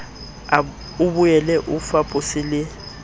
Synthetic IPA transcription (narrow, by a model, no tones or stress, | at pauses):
a | ubujɛlɛʔufapʼosɪlɪ